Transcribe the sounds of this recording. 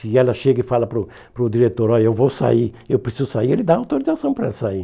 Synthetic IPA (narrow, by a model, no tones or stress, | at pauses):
sɪɛlɐʃeɡɐɪfalɐpɾʊ | pɾʊd̪iɾet̪oɾɔewvowsa̰i | ewpɾesizʊsaielɪd̪aawt̪oɾizasɐ̃w̃pɾɐɛlɐsai